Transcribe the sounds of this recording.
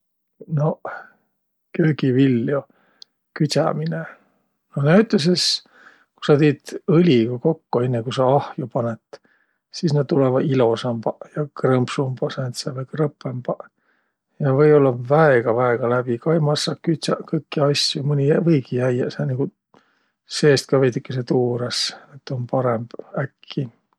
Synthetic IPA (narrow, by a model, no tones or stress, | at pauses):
no | køːɡivilːjo | kyt̪ʲɑ̰mine | nonæyt̪ːˑes̬es | ku̥sɑt̪eːd̪̥ɯlʲiɡ̥ɑko̞kːoe̞nːekusɑɑhjupɑnet̪ | siːsnɑd̪̚t̪ulevɑilo̞sɑmbɑjɑkrɤmbsumbɑsent̪sɑvekrɤpːˑembɑ | jɑvɤjo̞lːɑvæeɡ̥ɑvæeɡ̥ɑlæb̥ikɑjmɑsːɑkyt̪sɑkɤjkːiɑsjumɯnʲivɤjkijæjɑsɑniɡ̥u | se̞ːst̪̚kɑvejt̪ykːeset̪uːɾeset̪ːˑonpɑɾemb̥ækʰːi